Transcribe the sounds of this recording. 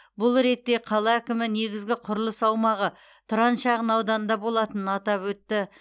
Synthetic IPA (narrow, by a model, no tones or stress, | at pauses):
bʊlˠɾe̞t̪ːe̞qʰɑlˠɑækʲɪmɪne̞ɡʲɪzɡʲɪqʰʊɾlˠəsɑwmɑʁə | t̪ʰʊɾɑnʃɑʁənɑwd̪ɑnənd̪ɑbo̞lˠɑt̪ənənɑt̪ɑpwɵt̪ːɪ